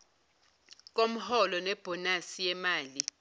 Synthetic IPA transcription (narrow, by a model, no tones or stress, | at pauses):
k̬ʼom̩hɔlɔnɛb̥ʱɔnasijɛmaːli